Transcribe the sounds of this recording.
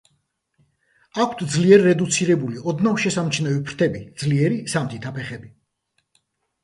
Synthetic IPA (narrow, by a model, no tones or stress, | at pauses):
akʷʰt̪ʰd̪zliɛɾːɛd̪ut̪sʰiɾɛbuliɔd̪navʃɛsamt͡ʃʰnɛvipʰɾt̪ʰɛbid̪zliɛɾisamt̪ʰit̪ʰapʰɛχɛbi